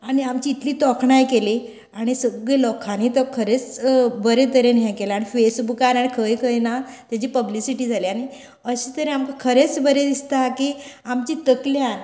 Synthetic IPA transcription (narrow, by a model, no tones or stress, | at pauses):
aɽ̃iamt͡ɕiːt̪liːt̪ɔkʰɳajkeli | aɽ̃isəɡɭelɔkʰanit̪əkʰəɾet͡sbəɾet̪əɾenɦɛ̃kelaaːɽ̃ifesbukaɾaɽ̃ikʰəjkʰəjnat̪jat͡ɕiːpəblisiʈiːd͡zʱaliaɽ̃i | əɕit̪əɾẽamkakʰəɾet͡sbəɾed̪ist̪akiːamt͡ɕit̪əkljan